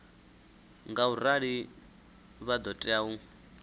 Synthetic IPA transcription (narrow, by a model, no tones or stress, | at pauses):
ŋɡauɾaɺi | βad̪ɔtʼɛau